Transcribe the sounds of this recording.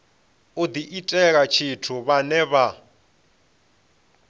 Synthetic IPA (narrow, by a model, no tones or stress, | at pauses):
od̪iʔitʼɛɣat͡ʃʰitʰuβanɛβa